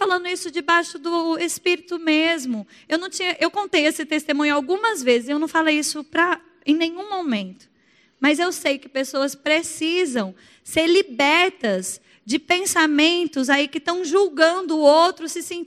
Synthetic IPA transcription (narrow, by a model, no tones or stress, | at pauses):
falɐ̃nd̪ʊisʊd͡ʒɪbajʃʊd̪ʊespiɾit̪ʊmezmʊ | ewnɐ̃w̃t͡ʃĩɲɐʔewkõnt̪ejesɪt̪est̪emũɲʊawɡũmɐzvezɪzewnɐ̃w̃falejisʊpɾɐ | ẽj̃nẽj̃ɲũmomẽnt̪ʊ̥ | mɐzewsejkɪpesoɐspɾesizɐ̃w̃ | seɾlibɛɾt̪ɐz | d͡ʒɪpẽsamẽnt̪ʊzaikɪt̪ɐ̃w̃ʒuwɡɐ̃nd̪ʊːowt̪ɾʊsɪsẽ